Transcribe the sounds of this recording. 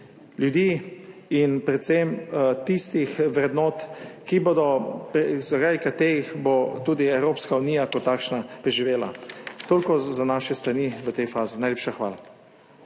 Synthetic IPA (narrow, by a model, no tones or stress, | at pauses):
ljud̪iːinpɾɛt̪semt̪ist̪ixʋɾɛd̪nɔːt̪kiboːd̪ɔpzakajkat̪eːɾixbot̪uːd̪iɛwɾoːpskaunijakɔt̪ːaːkʃnapɾɛʒiʋeːla̰t̪oːlʲkɔzanaːʃɛst̪ɾaniʋət̪ɛjfaːzinajleːpʃaxʋaːla